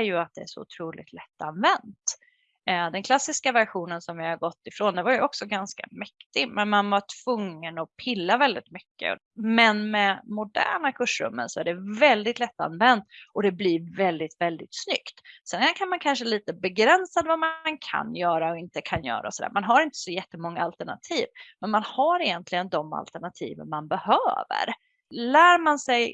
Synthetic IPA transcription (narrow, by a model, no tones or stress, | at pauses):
jɵat̪̚d̪ɛæ̰ʂɔ̰ʊ̰t̪ʰɾuːlɪ̰t̪ʰlɛt̪ːanvɛnt̪ | d̪ɛnkʰlasːɪskavæɾɧuːnənsɔmvɪhaɾɡɔt̪ːɪfɾoːnd̪ɛvaɾjɵɔksɔɡanska̰mɛkt̪ɪɡmɛnmanvaʈʰv̥ɵŋːənɔpʰɪlːavɛld̪ɪ̰t̪mʏkːə̰ | mɛnmɛmʊd̪æ̰ːɳakʰɵʂɾɵ̰mːə̰nsɔæɖɛvɛld̪ɪt̪lɛt̪ːa̰nvɛnt̪ʔɔd̪ɛblɪɾvɛld̪ɪt̪vɛld̪ɪt̪snʏ̰kt̪sɛnkʰanmankʰanʂəliːt̪əbɛɡɾɛnsad̪vamankʰa̰njœːɾaɔɪnt̪əkʰanjœ̰ːɾa̰ɔsɔd̪æ̰ːmanɦaɾɪnt̪ə̥sɔjɛt̪ːəmɔŋːaalt̪əɳa̰t̪ʰiːvmɛnmanhaɾɪjɛnt̪ʰlɪɡənd̪ɔma̰lt̪əɳat̪ʰḭːvə̰ɾmanbɛhøːvə̰ɾ | læːɾmansɛj